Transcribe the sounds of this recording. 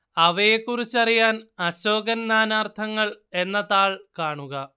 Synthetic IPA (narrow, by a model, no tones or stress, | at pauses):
ɐʋɐje̞kːurit͡ɕːɐrijaːnɐɕo̞ːɡɐnnaːnaːrt̪ʰɐŋːɐɭe̞nːɐðaːɭkaːɳuɣɐ